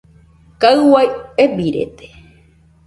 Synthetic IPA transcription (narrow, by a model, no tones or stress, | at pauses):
kaɨwajebiɾḛt̪e̥